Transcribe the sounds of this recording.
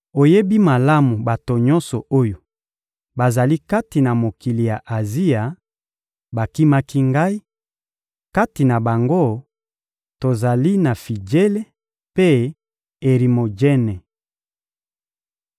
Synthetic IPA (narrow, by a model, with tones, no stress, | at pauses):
o˨je˦bi˦ma˨la˦mu˨ba˨to˨ɲɔ̃˦nsɔ˨o˦jo˨ | ba˨za˨li˦ka˦ti˨na˨mo˨ki˨li˨ja˨ʔa˨zi˦a˨ | ba˨ki˦ma˦ki˦ŋɡa˦i˦ | ka˦ti˨na˨ba˨ŋɡo˦ | to˨za˨li˦na˨fi˨d͡ʒe˦le˦ | pe˦ | e˨ʁi˨mo˨d͡ʒɛ˦ne˨